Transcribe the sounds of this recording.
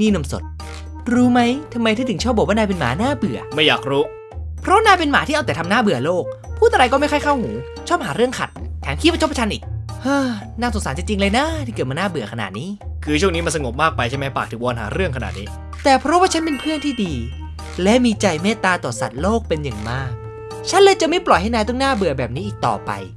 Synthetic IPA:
niː˥˩na˧mso̰˨˩t̪̚ | ɾuː˦˥ma˦˥jt̪ʰa˧mːa˧jt̪ʰaː˥˩t̪ʰɯ˩˦t͡ɕʰɔː˥˩p̚ɔ˨˩k̚waː˥˨na˧jpe˧nma̰ː˨˩˦naː˥˩bɯ˨˩ɐma˥˩jaː˨˩k̚ɾuː˦˥ | pʰɾɔ˦˥naː˥˩jpe˧nmaː˨˦iː˥˩ʔa˧wt̪ɛː˨˩t̪ʰmnaː˥˩bɯ˨˩ɐloː˥˩k̚pʰu˥˩t̪ʔa˧ɾa˧jkɔː˥˩ma˥˩jkʰa˥˩jkʰa˥˩whuː˩˦ | t͡ɕʰɔː˥˩p̚haː˩˦ɾɯ˥˩əŋkʰa̰˨˩t̪̚t̪ʰːɛː˩˦mki˧˥wa˥˩t͡ɕʰo˥pʰa˧t͡ɕʰa˧nʔḭː˨˩k̚haː˧˩ | naː˥˩so˨˩˦nsaː˩˦nt͡ɕa˧˩t͡ɕi˧ŋlɤː˧jna˦˥t̪ʰiː˥˩kɯ˨˩t̪̚maː˧naː˥˩bɯ˨˩ɐkʰa˧na̰˨˩t̪̚niː˦˥kʰɯː˧t͡ɕʰu˥˩əŋniː˦˥m˧nsa˧ŋo˨˩p̚maː˥˩k̚pa˧jʰa˥˩jma˦˥jpaː˨˩k̚t̪ɯː˩˦bɔː˧a˧nɦa̰ː˩˦ɾɯ˥˩əŋkʰa˧na̰˨˩t̪̚nḭː˦˥ | t̪ɛː˨˩pʰɾɔ˦˥waː˥˩a˦˥npe˧npʰɯ˥˩ənt̪ʰiː˥˩diː˧ | lɛ˦˥ʔmiː˧t͡ɕa˧jmeː˥˩t̪aː˧t̪ɔː˨˩sa̰˨˩t̪̚loː˥˩k̚pe˧nja˨˩ŋmaː˥˩k̚ | t͡ɕʰa˦˥nlɤː˧jt͡ɕa˨˩ma˥˩jplɔ˨˩jha˥˩jnaː˧jt̪ɔ˥˩˨naː˥˩bɯ˨˩ɐbɛː˨˩p̚niː˦˥ʔiː˨˩k̚t̪ɔ̰ː˨˩pa̰˧j

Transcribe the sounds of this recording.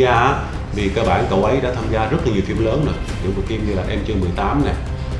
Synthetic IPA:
aː˧ʔaː˨˦˥ | vi˨˩kaː˧ɓa̰ː˧˩nkə˨˩wʔə˨˦jɗa̰ː˧˥t̪ʰaː˧mzaː˧zə˦˥t̚la˨˩ɲi˨˩əwt̪i˧əmləː˨˦nːɨ˨˩əɨ̰˧˥ku˨˩t̪i˧əmɗi˧laː˨˩ʔɛ˧mt͡ɕɨ˧əmɨ˨˩əjt̪aː˨˦mna˨˩j

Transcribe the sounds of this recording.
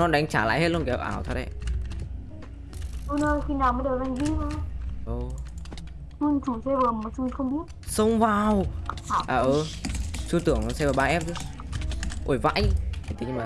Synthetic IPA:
nɔ˨˧˦nɗa˨˩˦ŋ̟t͡ɕaː˧˩la̰ː˧˨jhe˦˥t̚lu˧˦kɛ˨˩˦ʔaː˧˩wt̪ʰɔ˧˩ɗə˧˩j | ɗu˧nəː˧xi˧˩naː˨˩wmə˨˦ɗə˨˩ʔa˧˩ŋvi˧ʔa˧ʔo˨˧˩ | mu˧nt͡ɕu˧˩sɛ˧vəː˨˩mo˨˩t͡ɕu˧xə˧wŋ͡mɓi˦˥ət̚sə˧wŋ͡mvaː˨˩wʔaː˨˩ʔəː˨˩t͡ɕu˧t̪ɨ˧˩əŋ˨˧sɛ˧vəː˨˩ɓaː˧ʔɛ˦˥p̚t̪ʰɨ˦˥ | ʔo˧˩jva̰ː˧˥˨ja˨˩t̪ï˨˩ŋmaː˨˩

